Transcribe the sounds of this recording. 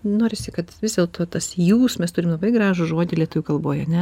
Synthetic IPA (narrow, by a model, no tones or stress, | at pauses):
noːɾʲɪsʲɪkɐt̪ʋʲɪzdʲeɛlˠt̪ʰoːt̪ɐsjuːsmʲɛst̪ʊɾʲɪmlˠɐbɐɪɡɾɑːʒʊʒuɔd̪ʲɪlʲiɛt̪ʊʋʲʊkɐlˠboːjɐnʲɛ